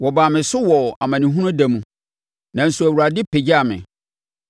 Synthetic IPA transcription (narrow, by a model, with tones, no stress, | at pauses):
wɔ˨ba˨mɪ̃˨sʊ˦wɔ˨a˨mã˨nĩ˨ɦũ˦nʊ̃˦dæ˨mũ˨ | nã˨n̩˨su˨æ˨wu˨ɾa˨dɪ˦pʰe˨d͡ʑa˨mɪ̰̃˨